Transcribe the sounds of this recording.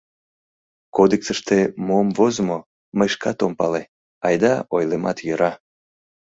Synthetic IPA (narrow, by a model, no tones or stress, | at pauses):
kod̪eksəʃt̪emoəmvozmo | məjʃkɑt̪ompɑle | ɑjd̪ɑojlemɑt̪jøɾɑ